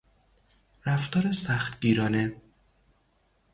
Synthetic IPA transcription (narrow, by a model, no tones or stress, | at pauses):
ɾæft̪ɒːɾesæxt̪ɟiːɾɒːne